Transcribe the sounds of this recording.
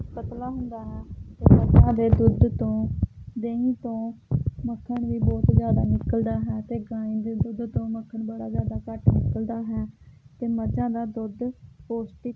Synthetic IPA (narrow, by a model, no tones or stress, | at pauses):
kət̪laːɦʊnd̪aːɦɛːt̪eːməd͡ʒãːd̪eːd̪ʊd̪t̪õːd̪eːĩːt̪õːməkʰːəɳʋiːbɔːt̪zjaːd̪aːnɪkəld̪aːɦɛːt̪eːɡãːĩːd̪eːd̪ʊd̪t̪õːməkʰːəɳbəɽaːzjaːd̪aːkəʈnɪkəld̪aːɦɛːt̪eːməd͡ʒãːd̪aːd̪ʊd̪poːsʈiː